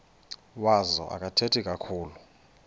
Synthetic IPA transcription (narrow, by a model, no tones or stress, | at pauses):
wazɔ̰ʔa̰kʼatʰetʰikʼakʰuːlu